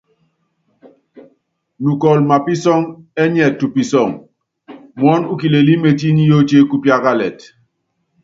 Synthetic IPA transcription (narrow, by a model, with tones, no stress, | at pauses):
nu˨kɔ˨lma˨pi˦sɔ˦ŋɛ˦ɲɛ˨tːu˨pi˨sɔ˦˨ŋ | mɔ˦nu˦ki˨le˨li˦me˨ti˦ni˦jo˦t͡ʃe˦ku˦pja˦ka˦lɛ̰˨t